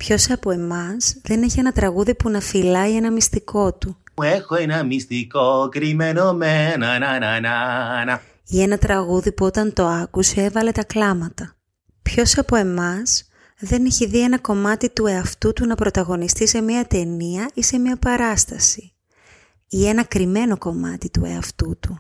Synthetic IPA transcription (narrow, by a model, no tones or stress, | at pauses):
pço̞sɐpo̞e̞mɐsðe̞ne̞çie̞nɐt̪ɾɐɣuðipunɐfilɐie̞nɐmist̪iko̞t̪uexoenɐmist̪ikokɾimenomenɐnanananɐ | ienɐt̪ɾɐɣuðipuo̞t̪ɐnt̪o̞ɐkusee̞vɐle̞t̪ɐklɐmɐt̪ɐ | pço̞sɐpo̞e̞mɐs | ðe̞neçiðie̞nɐko̞mɐt̪it̪ue̞ɐft̪ut̪unɐpɾo̞t̪ɐɣo̞nist̪ise̞miɐt̪e̞niɐise̞mɲɐpɐɾɐst̪ɐsi̥ | ie̞nɐkɾime̞no̞ko̞mɐt̪it̪ṵḛɐft̪ut̪u